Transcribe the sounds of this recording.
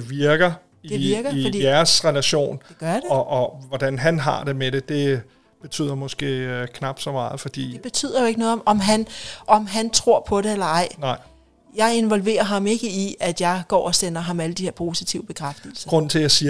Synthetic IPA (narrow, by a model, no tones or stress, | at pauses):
eʋiɐɡ̥ɐ | id̥eʋiɐɡ̥ɐd̥ḭæɐsʁɛlæɕo̝̰ːnd̥eɡ̥ɶɐjd̥eʔɒʋɒd̥ænɦænɦɑ̰̈d̥e̝meɾe̝d̥e̝ | b̥e̝t͡sʰy̰ð̰ˠɐmɒ̽sɡ̥e̝̰ːkʰnɑ̈b̥d̥sɒ̽mɑ̈ːð̩ˠfɒ̽d̥ḭ̥ːeb̥e̝t͡sʰy̰ːð̰ˠɐjo̝eɡ̥ənɔ̽ːð̩ˠɒ̽ʔɒ̽mɦænʔɒ̽mɦænt͡sʰʁo̝ɐ̰pʰɒ̽ɾe̝elɐɑ̈ɪ̰nɑɪ̰ | jɑ̈ɪe̝nʋɒ̽lʋe̝̰ːɐɦɑ̈me̝ɡ̥əiʔæd̥jɑ̈ɪɡ̥ɒ̰ːɒ̽senɐɦɑ̈mæləd̥ihe̝ɐpʰo̝ːsit͡sʰiʊəb̥e̝kʰʁafd̥il̩sɐɡ̥ʁɔ̽n̰n̩t͡sʰe̝ljasiːɐ